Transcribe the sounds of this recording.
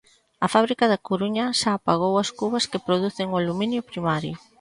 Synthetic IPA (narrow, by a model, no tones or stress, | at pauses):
ɐfaβɾikɐðɐkoɾuɲɐʃaːpaɣ̞owɐskuβɐskepɾoð̞uθɪŋʊaluminjʊpɾimaɾjʊ